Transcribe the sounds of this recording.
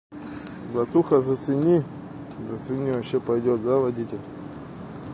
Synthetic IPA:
b̪ɐt̪uxɐzɐt̪sɨnʲi | zɐt̪sɨnʲivɐɕepɐjdʲot̪zavɐdʲitʲɪlʲ

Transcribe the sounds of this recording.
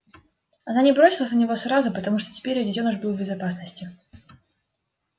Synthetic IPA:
ɐnanʲɪbɾo̞sʲɪlˠəsʲnənʲɪvo̞sɾazʊpət̪ɐmuʂt̪otʲɪ̥pʲeɾʲjodʲɪtʲonʊʐbɨlˠvbʲɪzɐpas̬nəsʲtʲɪ

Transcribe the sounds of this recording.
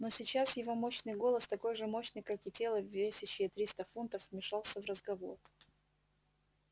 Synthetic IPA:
no̞sʲɪt͡ɕasjɪvo̞mo̞ɕnɨjɡo̞lˠəst̪ɐko̞jʐɨmo̞ɕnɨjkakɪtʲe̞lˠəvʲːesʲɪɕːɪjət̪ɾʲist̪əfunt̪əfvmʲɪʂɑlˠsʲəvrəzɡɐvo̞̰r

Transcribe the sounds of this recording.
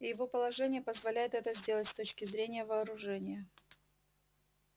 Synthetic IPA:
ijɪvo̞pəlˠɐʐɛnʲɪjəpəzvɐlʲæjɪt̪ɛt̪əzʲdʲe̞lˠətʲst̪o̞t͡ɕkʲɪzɾʲenʲɪjəvɐːɾʊʐɛnʲɪjə

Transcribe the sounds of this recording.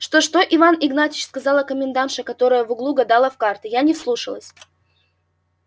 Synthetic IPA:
ʂt̪oʂt̪o̞ʔɪvanɪɡnatʲɪt͡ɕskɐzɑlˠɐkəmʲɪnd̪anʂəkɐt̪o̞ɾəjəvʊɡlˠuɡɐd̪alˠəfkart̪ɨjanʲɪslˠuʂəlˠəsʲ

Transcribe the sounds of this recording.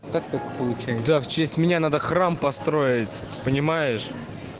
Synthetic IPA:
kak̚t̪akpəlˠʊt͡ɕæjd̪aft͡ɕesʲtʲmʲɪnʲanad̪əxrampɐst̪ɾo̞ɪtʲ | pənʲɪmajɪʂ

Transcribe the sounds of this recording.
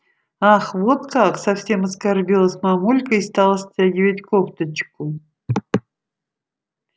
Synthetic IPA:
aχvot̪kaksɐfsʲe̞mɐskarbʲilˠəsʲmamulʲkəist̪alˠəsʲtʲaɡʲɪvətʲkopt̪ət͡ɕkʊ

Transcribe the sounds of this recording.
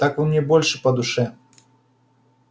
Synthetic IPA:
t̪akvɨmʲnʲɛbɔlʲʂɨpɐd̪uʂɛ

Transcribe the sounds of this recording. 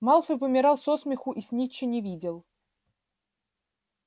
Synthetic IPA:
maɑlˠfɨpəmʲɪɾɑlˠsosmʲɪxʊʔisʲnʲit͡ɕːɪnʲɪvʲidʲɪlˠ

